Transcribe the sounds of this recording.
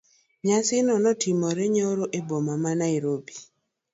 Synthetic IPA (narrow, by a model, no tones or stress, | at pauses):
ɲasɪnɔnɔtʰimɔɾɛɲɔɾoʔebomamanaɪɾobi